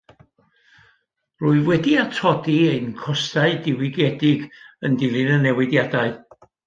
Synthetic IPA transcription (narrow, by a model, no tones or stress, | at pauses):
rʊːɨvwɛdiatʰɔdiejnkʰɔstaɨdɪwɪɡɛdɪɡəndɪlˠɪnənɛwɪdjadaɨ